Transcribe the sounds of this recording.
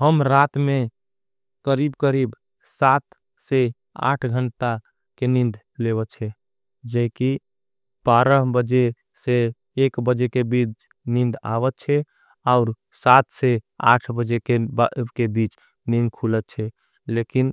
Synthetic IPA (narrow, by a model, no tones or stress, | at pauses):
ɦəmɾat̪mẽ | kəɾibkəɾib | sat̪ | se | a̰ʈʰɡʱəɳʈa | kenĩnd̪ | leβət̪t͡ʃʰɛ | d͡ʒəki | b̥aɾəɦbəd͡ʒe | seː | kbəd͡ʒekebit͡ʃ | nĩnd̪a̰bət̪̚t͡ʃʰɛ | aʊɾ | sat̪ʰsea̰ʈʰbəd͡ʒekebkebit͡ʃ | nĩnd̪̚kʰulət̪̚t͡ʃʰɛ | lekin